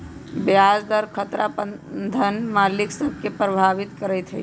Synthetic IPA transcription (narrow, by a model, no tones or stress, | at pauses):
bjad͡ʒd̪əɾkʰət̪ɾapəd̪ʱənmaliksəb̚ʱkepɾəbʱaʋit̪kəɾəjt̪ɦɛ